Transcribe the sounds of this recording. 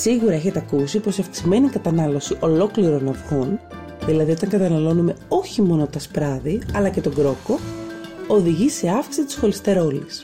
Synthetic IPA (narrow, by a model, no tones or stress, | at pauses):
siɣuɾɐeçe̞t̪eɐkusipo̞siɐfk̪i̥szme̞nikɐt̪ɐnɐlo̞siʔo̞lo̞kliɾo̞nɐfɣo̞n | ðilɐðio̞t̪ɐŋɡɐt̪ɐnɐlo̞nume̞o̞çimo̞no̞t̪ɐspɾɐðiɐlɐce̞t̪o̞ɡɾo̞ko̞ | oðiʝise̞ɐfki̥sit̪i̥sxo̞list̪e̞ɾo̞lis